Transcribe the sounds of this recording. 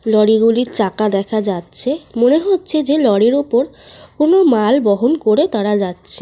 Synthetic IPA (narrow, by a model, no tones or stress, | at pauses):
lɔɽiɡuliɾt͡ɕakad̪ɛkʰad͡ʑatːɕʰemoneɦotːɕʰed͡ʑelɔɽiɾupoɾ | konomalbɔɦonkoɾet̪aɾad͡ʑatːɕʰe